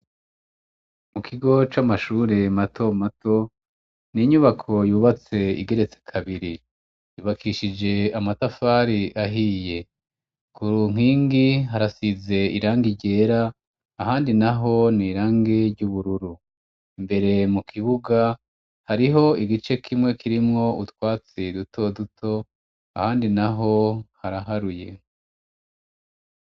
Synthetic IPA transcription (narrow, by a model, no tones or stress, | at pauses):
mukʰiɡo̞t͡ʃamaʃuːɾe̞matʰo̞mato̞ | niɲuβakʰo̞juːβat͡se̞ḭɡe̞ɾe̞t͡se̥kʰaβiɾi | juːβakʰiʃid͡ʒe̞amatafaːɾiʔaɦiːje̞ | kuɾuŋ̥iːŋɡiɦaɾasize̞ḭɾaːŋɡiɟe̞ːɾaː | ɦaːndinaɦo̞niːɾaːŋɡeɾɟuβuɾuɾu | imbe̞ɾe̞mukʰiβuɡa | haɾiɦo̞iɡit͡ʃe̞kʰimŋe̞kʰiɾimŋo̞utwaːt͡sidutʰo̞dutʰo̞ | a̰haːndinaɦo̞haɾaɦaɾuje̞